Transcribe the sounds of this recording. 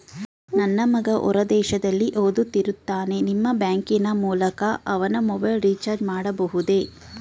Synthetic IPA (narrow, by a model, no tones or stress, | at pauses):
nɐnːɐmɐɡɐʔɔ̰ɾɐd̪ɛːʃɐd̪ɐlːiʔoːd̪ut̪ːiɾut̪ːaːne̞nimːɐbjaːŋkinɐmuːlɐkɐʔɐʋɐnɐmɔbɐjlɾiːt͡ʃaːɾd͡ʒmaːɽɐbɐɦud̪e̞